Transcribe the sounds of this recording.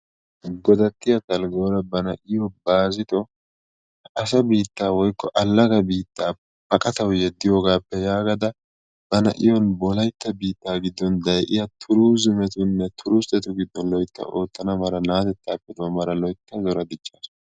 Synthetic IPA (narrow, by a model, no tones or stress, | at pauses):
ɡɔd̪ɐk̪ːɪjɐt̪ɐlɡo̞ːɾɐbɐnɐʔɪjɔbaːzɪt̪ɔ | ɐs̬ɐbiːt̪ːaːwɔjkːɔʔɐlːɐɡɐbiːt̪ːaː | bɐkʼɐt̪ɐwjɛd̪ːɪjo̞ːɡaːpːɛjaːɡɐd̪ɐ | bɐnɐ̰ʔɪjɔnbɔlɐjt̪ːɐbiːt̪ːaːɡɪd̪ːɔnd̪ɐjʔɪjɐt̪ʰʊɾuːzɪmɛt̪ʊnːɛt̪ʰʊɾʊst̪ɛt̪ʊɡɪd̪ːɔnlɔjt̪ːɐ̰ʔo̞ːt̪ːɐnɐmɐɾɐnaːt̪ɛt̪ːaːpːɛd̪omɐɾɐlɔjk̪ːɐzɔɾɐd̪ɪt͡ʃːaːsʊ